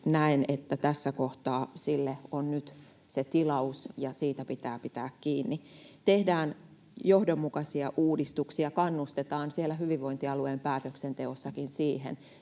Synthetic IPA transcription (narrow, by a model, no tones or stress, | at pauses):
næinet̪ːæt̪æsːækoht̪ɑːsilːeonnyt̪ | set̪ilɑusjɑsiːt̪æpit̪æːpit̪æ̰ːkkiːnːit̪ehdæːn | johdomːukɑsiɑʔuːdist̪uksiɑkɑnːust̪et̪ɑːnsielːæhyʋiʋʋoint̪iɑluempæːt̪øksent̪eosːɑkinsiːhḛn